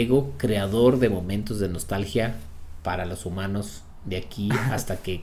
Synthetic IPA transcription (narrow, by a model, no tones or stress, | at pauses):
eɣo̞kɾe̞aðo̞ɾðe̞mo̞mẽ̞nt̪o̞zðe̞no̞st̪alxja | paɾalo̞sumãno̞z | ðeakiast̪ake